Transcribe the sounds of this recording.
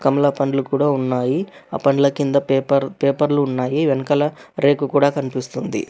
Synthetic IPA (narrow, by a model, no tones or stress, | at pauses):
kɐmɐlapɐɳɖlukuːɽaːunːaːjiaːpɐɳɖlɐkind̪ɐpːɐɾpeːpɐɾluːnːaːjiʋenɐkɐlɐɾe̞ːkukuːɽaːkɐnipist̪und̪ḭ